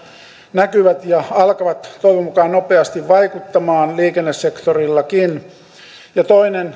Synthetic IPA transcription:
nækyʋæt̪jɑɑlkɑʋɑt̪t̪oiʋomukɑːnnopeɑst̪iʋʋɑikut̪ːɑmɑːnliːkenːesse̞kt̪orilːɑkin | jɑt̪oinen

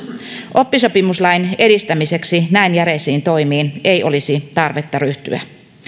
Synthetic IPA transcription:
ʔo̞pːiso̞pimuslɑjne̞dist̪æmise̞ksinæinjæɾesiːnt̪o̞jmiːnejʔo̞lisit̪ɑrʋet̪ːɑryht̪y̰æ̰

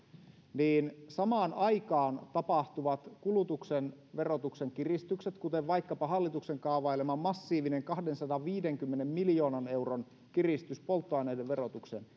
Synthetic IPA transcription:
niːnsɑmɑːnɑikɑːnt̪ɑpɑht̪uʋɑt̪kulut̪uksen | ʋe̞rot̪ukseŋk̟irist̪ykset̪kut̪eʋʋɑikːɑpɑɦɑlːit̪ukseŋkɑuʋɑjlemɑmːɑsːiːʋineŋkɑhdensɑd̪ɑʋʋiːdeŋkymːenemmiljo̞ːnɑne̞wron | kirist̪yspo̞lt̪ːoɑˑineideʋʋero̞t̪uksen

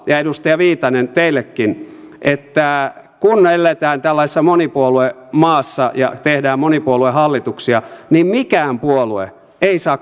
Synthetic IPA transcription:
jɑedust̪ɑjɑʋiːt̪ɑnent̪eilːekːinʔet̪ːæ | kunelːet̪æːnt̪ælːɑisesːɑmonipuolue | mɑːsːɑjɑ̰t̪ehdæːmmonipuoluehɑlːit̪uksiɑnimmikæːmpuoluḛ | eisɑːk

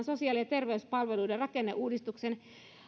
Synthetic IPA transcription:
nsosiɑːliet̪erʋeyspɑlʋeluiderɑkenːḛʔuːdist̪uksen

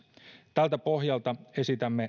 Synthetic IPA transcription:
t̪ælt̪æpo̞ɦjɑlt̪ɑe̞sit̪æmːe

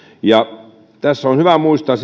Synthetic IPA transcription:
jɑ | t̪æsːonhyʋæmuist̪ɑs

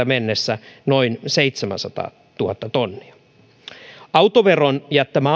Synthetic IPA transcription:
æmenːesːænoinseit̪semæ̰nsɑt̪ɑ̰ː | t̪uhɑt̪ːɑt̪onːiɑ | ɑut̪oʋeronjæt̪ːæmæː

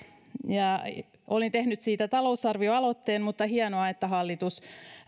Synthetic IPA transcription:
jɑ | ʔolint̪ehnyt̪siːt̪æt̪ɑlousɑrʋioɑlo̞t̪ːeːnmut̪ːɑhiɑnoɑet̪ːæɦɑlːit̪us

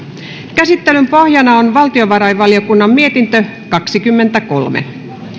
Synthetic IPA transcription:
kæsit̪ːe̞lympo̞hjɑnɑonʋɑlt̪ioʋɑɾɑjʋɑliokunːɑmmie̞t̪int̪ø | kɑksikymːe̞nt̪æko̞̰lmḛ

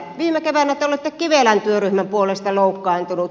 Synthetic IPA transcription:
ʋiːmekeʋænæt̪ːeolet̪ːekkiʋelænt̪yøryhmæmpuolest̪ɑloˑukːɑːnt̪unut̪

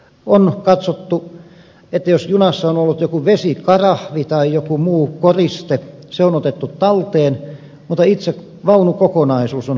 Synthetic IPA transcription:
onkɑt̪sot̪ːu | et̪ːæjosjunɑsːɑonolːut̪jokuʋesikɑrɑhʋit̪ɑijokumuːkorist̪eseonot̪et̪ːut̪t̪ɑlt̪eːn | mut̪ːˑɑit̪sek | ʋɑunukokonɑisuːson

